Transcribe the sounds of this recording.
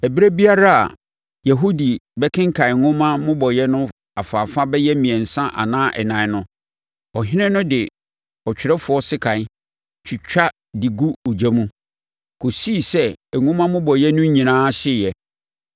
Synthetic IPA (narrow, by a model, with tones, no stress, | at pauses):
ɛ˨bi˦ɾa˦bi˦a˦ɾa˦a̰˨ | ja˨ɦo˦di˨bɛ˦kʰɪ̃˦ŋ̩˦kʰã˨ŋʊ̃˦mã˦mʊ̃˦bɔ˨jɛ˦nʊ̃˦ | a˨faː˨fa˦bɛ˦jɛ˦mĩ˨ɛ̃˨n̩˨sã˦ʔa̰˨nãː˦ʔɛ̰˨nã˨˦nʊ̃˦ | ɔ˨ɦɪ̃˦nɪ̃˦nʊ̃˦dɪ˨ | ɔ˨t͡ɕᶣɪ˨ɾɛ˦fʊ˨ɔ˦sɪ˦kʰã˨˦ | t͡ɕʰi˨t͡ɕᶣa˦ | dɪ˨ɡu˦o˨d͡ʑa˦mũ˦ | kʰo˨si˦˨sɛ˦ɛ˨ŋʊ̃˦mã˦mʊ̃˦bɔ˨jɛ˦nʊ̃˦ɲĩ˨nãː˦ɕɪ˦˨jɛ˨